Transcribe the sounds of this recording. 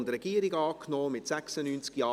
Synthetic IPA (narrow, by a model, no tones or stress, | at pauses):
ndrɛɡ̥iːəɾiɡɑːknɔːmɪtsɛksənyːnt͡skjɑː